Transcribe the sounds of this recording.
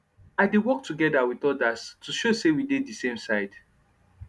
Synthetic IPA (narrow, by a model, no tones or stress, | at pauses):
aɪdiwɔktʰuɡɛdawiθɔdastʰuʃosewidedisẽmsaɪd̥